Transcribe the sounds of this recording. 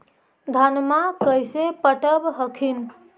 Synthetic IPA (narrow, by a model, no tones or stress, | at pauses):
d̪ʱanmakəjsepəʈəbɦəkʰin